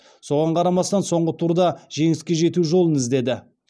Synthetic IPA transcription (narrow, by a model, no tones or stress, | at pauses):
so̞ʁɑɴqʰɑɾɑmɑst̪ɑnso̞ɴʁət̪ʰuɾd̪ɑʒe̞ŋɪskʲe̞ʒe̞t̪uʒo̞lˠənɪzd̪e̞d̪ɪ